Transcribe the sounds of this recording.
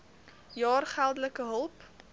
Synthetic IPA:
jɑːrχælˠdələkəɦəlˠp

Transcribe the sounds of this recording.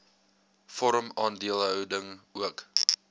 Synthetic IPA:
fɔɾəmɑːndiəlˠɦœwdəŋuək

